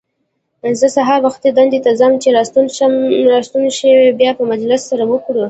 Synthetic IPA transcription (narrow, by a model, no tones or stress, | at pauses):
zəsaɦɑɾbaxt̪ed̪and̪et̪azamt͡ʃeɾɑt̪unʃɾɑst̪unʃəwebjɑpəmad͡ʒlɪsːaɾawəkɽu